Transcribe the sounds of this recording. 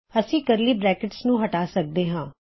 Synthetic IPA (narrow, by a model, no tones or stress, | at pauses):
əsĩːkəɾliːbɾɛːkɪʈsnũːɦəʈaːsək̚d̪eːɦãː